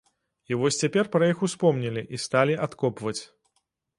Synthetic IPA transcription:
ivɔsʲt͡sʲapʲɛrpɾɐjixuspɔmnʲilʲiʔist̪alʲiʔat̪kɔpvɐt͡sʲ

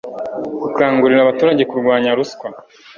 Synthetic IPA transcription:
kukaːŋɡuɾiɾaβatuːɾaɟe̞kuɾɡwaːɲaɾuskwa

